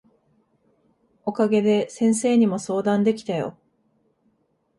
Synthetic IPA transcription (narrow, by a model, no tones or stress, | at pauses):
o̞kaɡe̞d̪e̞sẽ̞ɰ̃se̞ːɲ̟imo̞so̞ːd̪ãnd̪e̞kʲi̥t̪ajo̞̰